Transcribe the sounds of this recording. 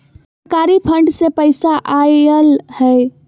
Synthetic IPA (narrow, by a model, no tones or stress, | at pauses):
s | kaɾipʰəɳɖsepəɪsaʔaəlhɛ